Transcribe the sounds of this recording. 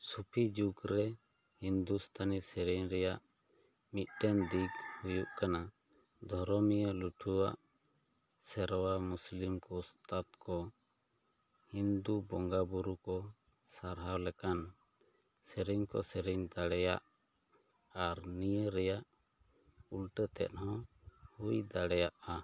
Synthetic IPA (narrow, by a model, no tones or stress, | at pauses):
supʰid͡ʒukɾɛ | hind̪ust̪ʰanisɛɾɛɲɾɛjaʔ | mit̪̚ˀʈɛnd̪iɡhujuʔkana | d̪ʱɔɾɔmijəluʈʰuwaʔ | sɛɾwamuslimkɔst̪ʰat̪kɔ | hind̪ubɔŋɡabuɾukɔ | saɾɦawlɛkan | səɾiɲkɔ̰sɛɾiɲd̪aɽɛja̰ʔ | aɾnijəɾɛjaʔ | ulʈət̪ɛ̰t̪̚hɔ̃ | hujd̪aɽɛjaʔa